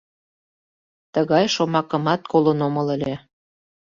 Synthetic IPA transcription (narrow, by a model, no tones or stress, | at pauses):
t̪əɣɑjʃomɑkə̆mɑt̪̚kolənomɤləlʲe